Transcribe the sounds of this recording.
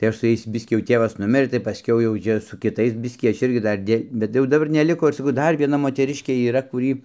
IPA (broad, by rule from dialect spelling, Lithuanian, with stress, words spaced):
tɐɪ ˈɐʃ sʊ ˈjɛɪs ˈbʲɪsʲkʲiː jɛʊ ˈtʲeːʋɐs ˈnʊmʲɪrɘ tɐɪ pɐˈsʲkʲɛʊ jɛʊ ˈt͡ʃʲɛ sʊ kʲɪˈtɐɪs ˈbʲɪsʲkʲiː ˈɐʃ ˈɪrʲɡʲɪ ˈdɐr dʲeː bʲɛt jɛʊ dɐˈbɐr nʲɛˈlʲɪkoː ɪr sɐˈkɐʊ ˈdɐr ʋʲiɛˈnɐ moːtʲɛˈrʲɪʃʲkʲeː iːˈrɐ kʊˈrʲiː